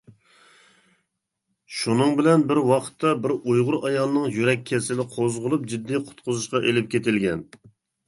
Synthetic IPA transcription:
ʃunɨŋbɪlɛnbɪɾwɑqʰə̥t̪ʰːɑbɪɾujʁʊɾɑjɑlˠənɨŋjyɾɛk̚ʲʰːɛsɪlɪqʰozʁʊlˠup̚d͡ʒid̪ːiqʰʊ̥t̪qʰʊzuʃqɑʔelɪp̚kʲet̪ʰɪlɡʲɛn

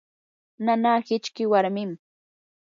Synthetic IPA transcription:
nanaːhɪt͡ʃkɪwaɾmɪm

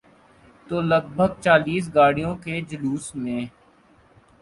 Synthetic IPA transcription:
t̪oːləɡ̚bʱəɡ̚t͡ʃaːliːs̬ɡaːɽijõked͡ʒəluːsmẽː

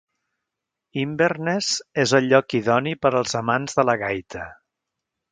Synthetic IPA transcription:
imbernezezəlʎːɔkiðɔnipəɾəlˠzəmanzðələɣajt̪ʰə

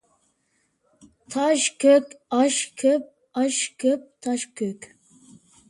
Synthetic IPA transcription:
t̪ʰɑʃkʲʰøkʲɑʃkʲʰøp̚ | ɑʃkʰʲøp̚t̪ʰɑʃkʲʰøkʲ

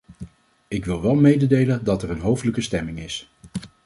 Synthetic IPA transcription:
ɪkʋɪlˠʋɛlˠmejdədejləndɑtɛrənɦowftələkəstɛmɪŋɪs

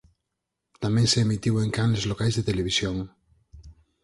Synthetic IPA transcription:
t̪amẽŋseemit̪iβwoeŋkanlezlokajzðet̪eleβ̞isjoŋ

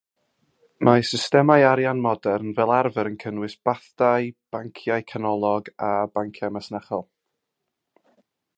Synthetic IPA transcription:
mʔasɪstɛmajaɾjanmɔdɛrnvɛːlˠarvəɾənkʰənwɪsb̥aθd̥ajb̥aŋkʰjajkʰanɔlˠɔɡabaŋkʰjamasnaχɔlˠ

